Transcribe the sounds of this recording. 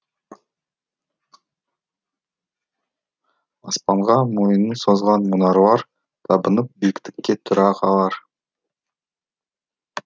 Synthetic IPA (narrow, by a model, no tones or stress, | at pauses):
ɑspɑɴʁɑmo̞jənənso̞zʁɑnmʊnɑɾwɑɾ | t̪ʰɑbənəp̚bekʲt̪ɪ̥kʲːe̞t̪ʰʊɾɑqʰɑlˠɑɾ